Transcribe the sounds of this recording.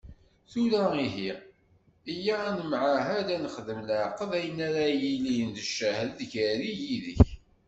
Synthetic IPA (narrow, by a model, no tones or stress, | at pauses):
θulæiɦi | ijæænəmʕaɦæd̪ænəχðəmləʕqəðæjənːæɾajilijəndəʃːæhlðçæɾijiðə̰ç